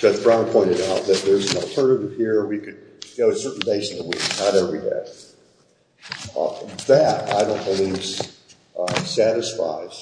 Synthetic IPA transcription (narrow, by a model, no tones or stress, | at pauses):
ʒ̥ʌd͡ʒb̥ɹãʊ̃npʰɔ̃ɪ̃ɾ̃ɨɾaʊt̪̚ðɨt̪̚ðə˞zn̩l̩ˠtʰɜ̃˞nɨɾɨv̥hiɹ̃wikɨd̚ | ɡ̥oʊɨsɜ˞ʔn̩beɪsn̩ðəwḭknəɾɛvɹidḛɪ | ðɨɾa̰ɪɾõʊ̃nb̥əli | sæɾɨsfa̰ɪz̥